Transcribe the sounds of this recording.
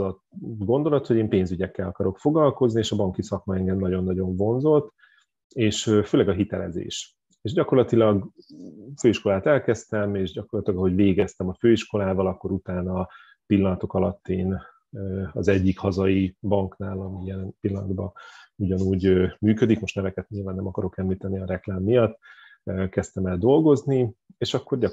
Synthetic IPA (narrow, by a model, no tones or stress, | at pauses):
ɒ | ɡo̞nd̪o̞lɒt̪ho̞ɟeːmpeːnzyɟɛkːɛlɒkɒɾo̞kfo̞ɡlɒlko̞znieːʃɒbɒŋkisɒkmɒɛŋɡɛmnɒɟo̞nːɒɟo̞ɱvo̞nzo̞lt̪ | eːʃøføːlɛɡɒɦit̪ɛlɛ̰zḛːʃ | eːʃɟɒko̞rlɒt̪ilɒɡ | føːiʃko̞laːt̪ɛlkɛst̪ɛmeːʃɟɒko̞rlɒt̪ilɒɡɒɦo̞ɟveːɡɛst̪ɛmɒføːiʃko̞laːvɒlɒkːo̞ɾut̪aːnɒ | pilːɒnɒt̪o̞kɒlɒt̪ːeːn | ɒzɛɟːikhɒzɒibɒŋknaːlɒmijɛlɛnpilːɒnɒ̰d̪bɒuɟɒnuːɟømyːkød̪ikmo̞ʃt̪nɛvɛkɛt̪ɲilvaːnːɛmɒkɒɾo̞kɛmliːt̪ɛniɒɾɛklaːmːijɒt̪ː | økɛst̪ɛmɛld̪o̞lɡo̞znieːʃɒkːo̞r